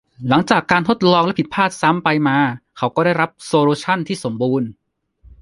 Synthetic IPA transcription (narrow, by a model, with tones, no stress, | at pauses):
la˩˦ŋt͡ɕaː˨˩kːaː˧nt̪ʰo˦˥˩t̪̚lɔː˧ŋlɛ˦˥pʰi˩t̪̚pʰaː˥˩t̪̚sa˦˥mpa˧jmaː˧kʰa˦˥wkɔː˥˩daː˥˩jɾa˦˥p̚soː˧luː˧t͡ɕʰa˥˩nt̪ʰiː˥˩so˩˦mbuː˧n